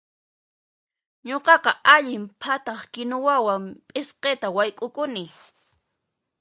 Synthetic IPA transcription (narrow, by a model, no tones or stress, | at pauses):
ɲoqɑqɑaʎɪmpʰat̪ɑχkɪnʊwawampʼɪsqet̪awajkʼʊkʊnɪ